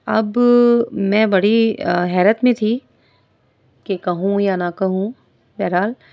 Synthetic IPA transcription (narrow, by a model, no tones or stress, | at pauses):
ɐb | mɛ̃bɐɽiɦɛːɾət̪mẽt̪ʰi | kekɐɦũjanakɐɦũ | bɛːɾaːl